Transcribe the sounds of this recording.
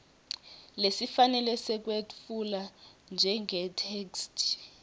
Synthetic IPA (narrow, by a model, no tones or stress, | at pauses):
lesifanɛlɛsɛk̬weuland͡ʒʱɛŋɛtʰekstʰʼ